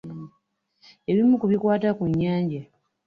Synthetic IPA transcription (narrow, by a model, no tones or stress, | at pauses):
e̞βimukuβikwaːtakuɲːaːɲɟa